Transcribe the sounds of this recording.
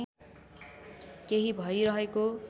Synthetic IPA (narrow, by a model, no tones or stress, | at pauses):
keɦibʱʌjɾʌɦeko